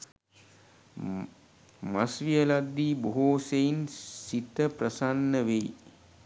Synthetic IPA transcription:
masʋijəlad̪ːiːboɦoːsejinsit̪əprəsanːəʋej

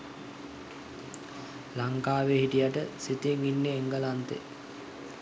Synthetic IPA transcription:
laŋkaːʋeɦiʈijaʈəsit̪eŋinːeːŋɡəlant̪ḛ

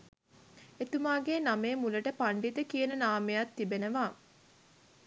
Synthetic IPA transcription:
et̪umaːɡeːnameːmuləʈəpaɳɖit̪əkijənənaːmejat̪ːibenəʋaː

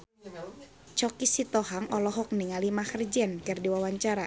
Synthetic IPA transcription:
t͡ʃɔkisit̪ɔɦaŋʔɔlɔɦɔk̚niŋalimaxərd͡ʒɛnkɨrdiwawaɲt͡ʃaɾa

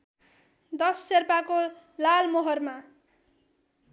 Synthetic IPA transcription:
d̪ʌsːerpako | lalmoɦʌrma

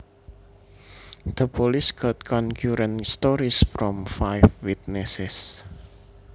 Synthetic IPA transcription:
d̪̥əpolisɡ̥ɔt̪̚kʰɔnkʰjuɾɛnst̪ɔɾisfɾɔmfajfwit̪̚nɛsɛs

